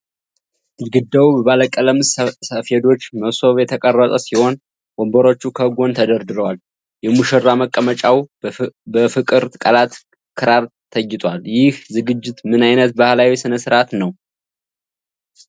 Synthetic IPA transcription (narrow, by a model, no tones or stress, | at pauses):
d̪ɨlɡɨd̪ːawubəβaləkʼələmssəfed̪o̞t͡ʃːməso̞βjɛt̪ʰəkʼərːət̪ʼəsiho̞n | wombəɾo̞t͡ʃːukʰəhɡo̞nt̪ʰəd̪əɾd̪ɨɾəwal | jɛmuʃərːaməkʼːəmət͡ʃʼaw | bəfɨkʼɨɾt̪kʼəlat̪ | kʰɨɾaɾt̪ʰəjːɪt̪ʼwaljɪhzɨɡɨd͡ʒːɪt̪mɨnajnət̪̚bahlawisɨnəsɨɾat̪nəw